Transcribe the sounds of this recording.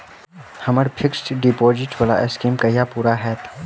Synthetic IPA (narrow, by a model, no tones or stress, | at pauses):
hɐməɾpʰɪksʈɖɪpoːzɪʈʋɐla̰ʔeskiːmkɐijapuːɾaɦɛːt̪ʰː